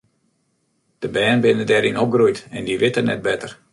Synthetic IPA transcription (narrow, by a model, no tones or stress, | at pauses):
d̥əbɛːnbɪnədɛɾinop̚ɡrujtɛndiʋɪtənɛ̰t̚bɛtər